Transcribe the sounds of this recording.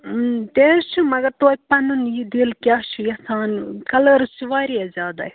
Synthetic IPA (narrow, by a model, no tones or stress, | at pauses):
t̪eɾʃʰumɐɡɐɾt̪oːpɐnunjid̪ilkʲaːʃʰujɐsaːnkɐlɐɾsiʋaːɾiazʲaːd̪a̰i